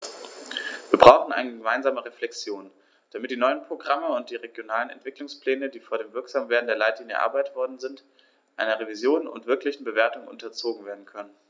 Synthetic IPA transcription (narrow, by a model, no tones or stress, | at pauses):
viːɐbʁaʊxn̩ʔa̰ɪnəɡəmaɪnzaːməʁeflɛksjoːn | d̥amɪt̚d̥iːnɔʏənpʁ̥oɡʁaməʊnt̚d̥iːʁeɡjonaːlənɛ̰ntv̥ɪklʊŋspl̥ɛːnədiːfoːɐdeːmvɪɐkz̥aːmveːɐdn̩deːɐlaɪtliːnjə̰ʔa̰ɐbaɪtv̥ɔɐdn̩zɪnt | ʔaɪnɐʁevizjoːnʊ̰ntv̥ɪɐklɪçn̩bəveːɐtʊŋʔʊ̰ntʰɐt͡soːɡŋ̩veːɐdn̩kʰœnən